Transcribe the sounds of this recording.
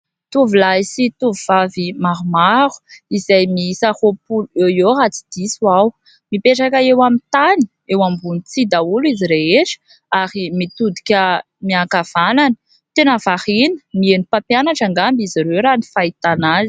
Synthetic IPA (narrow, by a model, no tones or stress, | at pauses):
t̪uvulaisit̪uvuvavimaɾumaɾu̥izajmisahopuluejoɦat͡si̥d̪̥iswaw | mipeʈ͡ʂakəewamit̪ani̥ | ewambunit͡sid̪auliziɾeeʈ͡ʂə̥ | aɾimit̪ud̪ikʲə | miakav̥ananə̥ | t̪enəvahinə̥mienipapianaʈ͡ʂaŋɡambiziɾewɾanifait̪anazi̥